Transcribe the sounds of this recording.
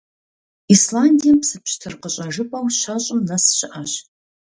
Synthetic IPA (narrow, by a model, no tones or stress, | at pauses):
islaːndʲijɐmpsɨpɕtʰɨrqəɕʼɐʒɨpʼɐwɕɐɕʼɪmnɐsɕɪʔɐɕ